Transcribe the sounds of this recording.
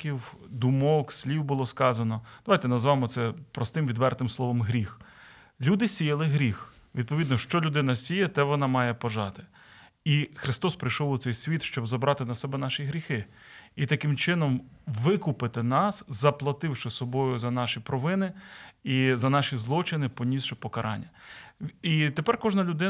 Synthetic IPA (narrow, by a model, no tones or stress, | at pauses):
kʲiwd̪ʊmɔksʲlʲiwbʊlˠɔskɑzɐnɔd̪̥ɐʋajt̪ɛnɐzʋɑmɔt̪sɛpɾɔst̪ɪmʋʲid̪ʋɛrt̪ɪmslˠɔʋɔmɦɾʲix | lʲud̪ɪsʲijɐlˠɪɦɾʲix | ʋʲid̪̚pɔʋʲid̪nɔʃt͡ʃɔlʲʊd̪ɪnɐsʲijɛt̪ɛʋɔnɑmɑjɛpɔʒɑt̪ɪ̥ | ixɾɪst̪ɔspɾɪjʃɔwʊt̪sɛjsʲʋʲit̪ʃt͡ʃɔbzɐbɾʔɑt̪ɪnɐsɛbɛnɑʃiɦɾʲixɪ | it̪ɐkɪmt͡ʃɪnɔmʋɪkʊpɪt̪ɪnɑszɐplˠɐt̪ɪwʃɪsɔbɔjʊzɐnɑʃipɾɔʋɪnɪizɐnɑʃizlˠɔt͡ʃɪnɪpɔnʲisʃɛpɔkɐɾʔɑ̰nʲːɐ | it̪epɛrkɔʒnɐlʲʊd̪ɪ